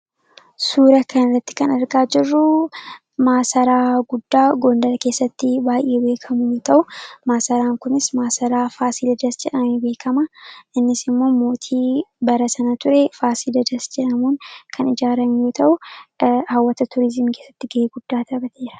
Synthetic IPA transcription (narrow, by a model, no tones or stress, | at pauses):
suːɾɐkɐnɪrːɐt̪ːɪ̥kɐnɐɾɡaːd͡ʒɪrːʊ | maːsɐɾaːɡʊd̪ːaːɡo̞ːnd̪ɐlke̞ːsːɐt̪ːɪbaːjʔe̞ːbe̞ːkʰɐmʊjoːt̪ʰɐʔʊmaːsɐɾaːŋkʊnɪsmaːsɐɾaːfaːsiːd̪ɐd͡ʒ̪ɐsd͡ʒɛᶑɐmebe̞ːkʰɐmɐʔɪnːɪsɪmːo̞ːmo̞ːt̪ʰiːbɐɾɐsɐnɐt̪ʊɾefaːsiːd̪ɐd͡ʒ̪ɐsd͡ʒɛᶑɐmunkʰɐnɪd͡ʒaːɾɐmjo̞ːt̪ʰɐʔʊ | hɐwːɐt̪ɐt̪ʰʊɾɪzɪmke̞ːsːɐt̪ːɪɡɐeːɡʊd̪̥ːaːt̪ʰɐbɐt̪ʰeːɾɐ̥